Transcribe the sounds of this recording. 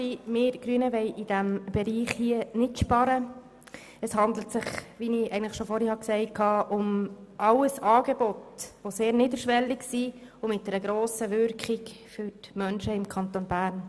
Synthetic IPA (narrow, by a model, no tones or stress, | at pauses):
imɪːɾɡ̥ɾyənəʋɛɪʔid̥æmb̥ɛɾiːχhiːənɪtʃpɑɾə | ɛshɑnd̪l̩tsɪχʋiniɛɪɡən̩tləχʃofɔɾhɛhɑksɛɪkʰɑːʔʊmʔɑləsɑːɡeb̥ɔtʋoseːɾniːd̪əɾʃʋɛlːɪksi | ʊmɪt̚d̥̪ɛɾəɡɾoːsəʋʏɾkχɪk | fʏɾtmœnʃəɪmkʰɑnt̪onbæːɾn